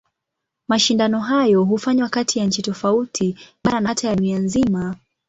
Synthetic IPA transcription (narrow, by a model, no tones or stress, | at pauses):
maʃindanɔɦajɔɦufaɲwakatʰijaɲ̩t͡ʃitɔfautʰiɓaɾanatajanianzima